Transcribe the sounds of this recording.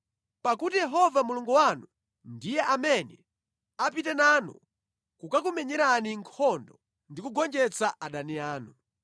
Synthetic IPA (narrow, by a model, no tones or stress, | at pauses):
pakutijɛɦɔvamuluŋɡuwanu | ndijɛʔamɛnɛ | apitɛnanṵ | kukak̬umɛɲɛɾaniŋkʰɔndɔ | ndikuɡɔnd͡ʒɛt͡saʔaɗaniaːnu